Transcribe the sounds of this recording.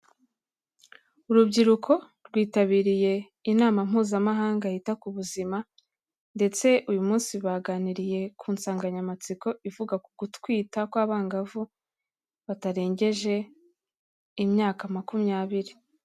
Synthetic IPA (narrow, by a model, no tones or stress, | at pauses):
uɾubɟiɾukʰo̞ | ɾɡwiːtaβiːɾije̞ | inaːmam̥huːzamaɦaːŋɡahitakuβuzima | nde̞t͡se̞ʔujumuːnsiβaːɡaniɾije̞kʰuːnsaːŋɡaɲamat͡siko̞ivuɡakuɡ̥utkwiːtakwaːβaːŋɡavu | βataɾe̞ːɲɟe̞ʒe̞ | imɲaːkamakumjaːβiɾi